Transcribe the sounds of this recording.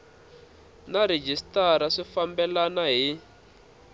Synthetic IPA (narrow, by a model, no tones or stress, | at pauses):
naɾed͡ʒistaɾaʂifambɛlanaɦi